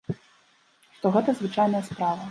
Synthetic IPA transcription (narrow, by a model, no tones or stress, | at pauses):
ʂt̪ɔɣɛt̪ɐzvɨt͡ʂajnɐjɐspɾavɐ